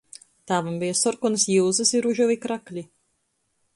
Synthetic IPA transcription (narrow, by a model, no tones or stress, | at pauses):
t̪aːvambijasɔɾkunɨsjilzɨsiɾuʒuvikɾaklʲi